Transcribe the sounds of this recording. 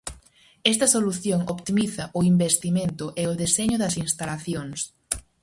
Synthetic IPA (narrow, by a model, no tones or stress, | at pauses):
ɛst̪ɐsoluθjoŋopt̪imiθɐʔʊimbest̪imẽnt̪ʊʔeʊðeseɲʊðɐsinst̪alaθjoŋs